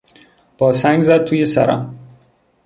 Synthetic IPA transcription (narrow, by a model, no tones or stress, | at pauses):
b̥ɒːsæŋɡzæd̪̚t̪ʰuːjesæ̰ɾæ̰m